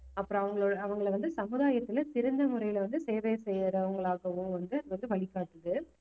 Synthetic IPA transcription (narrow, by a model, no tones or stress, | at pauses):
ɐpːɯɾõɐʋɐŋɡɐɭoːɽɐːʋɐŋɡɐɭʋɐnd̪ɯsɐmɯðaːjɐt̪ːɪlɐsɪɾɯnd̪ɐmʊɾɐjɪlʋɐnd̪ɯseːʋesɛjɾɐʋɐŋɡɐɭaːɣɐʋɯ̃mʋɐnd̪ɯʋɐnd̪ɯʋɐɭɪkːaːʈːɯðɯ